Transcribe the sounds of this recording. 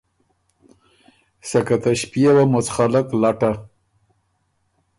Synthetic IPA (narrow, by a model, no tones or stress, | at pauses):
sakat̪aʃpijawamot͡sxalaklaʈa